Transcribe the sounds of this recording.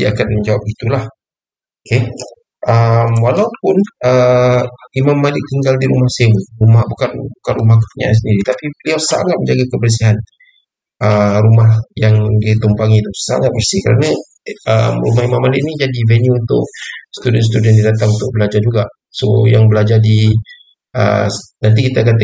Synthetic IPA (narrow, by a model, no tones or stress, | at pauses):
diakanmd͡ʒawap̚ɡit̪ulah | oke | ʔəmwalaupʊnə | imamːalɪk̚t̪iŋɡaldiɾumahsemuɾumahbukanbukanrumahkəpəɲa̰ʔs̬əndiɾit̪apibəliawsa̰ŋat̪̚məɲd͡ʒaɡakəbərs̬iɦan | ʔəɾumaɦjaŋdit̪umpaŋit̪usa̰ŋat̪̚bərsihkəɾa̰na | əmrṵmahimamːalɪk̚nid͡ʒadivɛnuːnt̪ʊ̰k̚sə̥t̪udɛns̬t̪udiəndidat̪aŋunt̪ʊk̚bəlad͡ʒard͡ʒuɡa | sojaŋbəlad͡ʒardi | ə̰nant̪̬ikit̪aːkant̪